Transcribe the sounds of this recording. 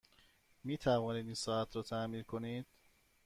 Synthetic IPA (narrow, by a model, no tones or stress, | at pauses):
miːt̪ʰævɒːniːd̪insɒːæt̪ʰɾɒːt̪ʰæmiːɾkʰo̞niːd̪̥